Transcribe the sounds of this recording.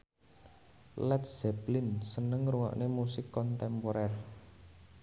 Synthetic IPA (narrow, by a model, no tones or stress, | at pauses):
lɛt̪sɛplɪnsənəŋɾuŋɔ̰ʔnemusɪkːɔnt̪ɛmpɔɾɛr